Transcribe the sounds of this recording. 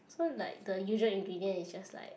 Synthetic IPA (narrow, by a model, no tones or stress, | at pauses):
sola̰ɪk̚dəjuʒəĩŋɡɹidiə̃nisd͡ʒasla̰ɪk